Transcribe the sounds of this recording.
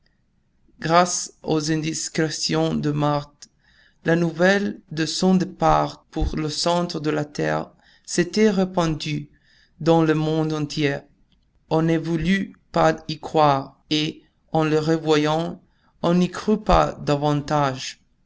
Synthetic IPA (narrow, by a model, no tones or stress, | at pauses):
ɡʁasozɛ̃d̪iskʁesjɔ̃d̪əmaʁt̪ | lanuvɛld̪əsɔ̃d̪epaʁpuʁləsɑ̃t̪ʁəd̪əlat̪ɛ̰ːʁ | set̪ɛʁepɑ̃d̪y | d̪ɑ̃ləmɔ̃d̪ɑ̃t̪jɛ | ɔ̃nɛvulypaikχwaːʁ | e | ɑ̃ləʁevwajɑ̃ | ɔ̃nikʁypa̰d̪avɑ̃t̪aʒ